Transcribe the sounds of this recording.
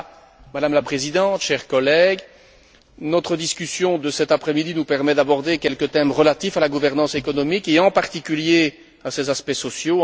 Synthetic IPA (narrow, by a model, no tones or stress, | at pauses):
mad̪amlapχezid̪ɑ̃t̪ʃɛʁkɔlɛɡ | nɔt̪χəd̪iskʲysjɔ̃d̪əsɛt̪apχɛmid̪inupɛʁmɛd̪abɔʁd̪ekʲɛlkət̪ɛmʁəlat̪ifalaɡuvɛʁnɑ̃sekɔnɔmikeɑ̃paʁt̪ikʲylje | asɛzaspɛsɔsjo